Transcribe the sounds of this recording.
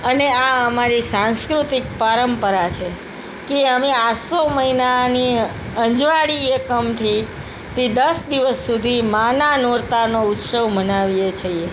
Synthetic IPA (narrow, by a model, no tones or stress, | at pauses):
əneaəmaɾisãnskɾut̪ik̚paɾəmpəɾat͡ʃʰe | keəmeasoməɦinani | ə̃ɲd͡ʒʋaɽiekəmt̪ʰi | t̪id̪əsd̪iʋəsːud̪ʱimananoɾt̪anout̪səʋmənaʋijet͡ʃʰəje